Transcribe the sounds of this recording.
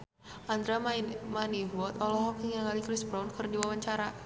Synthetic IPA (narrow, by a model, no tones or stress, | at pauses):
ʔand̪ɾamanivɔt̪ɔlɔɦɔkiŋaɡalikɾisbɾɔnkərdiwawaɲt͡ʃaɾa